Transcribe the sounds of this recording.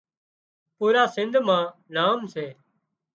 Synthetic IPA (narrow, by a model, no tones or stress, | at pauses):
puːɾaːsɪ̃nd̪ʱmãːnaːmseː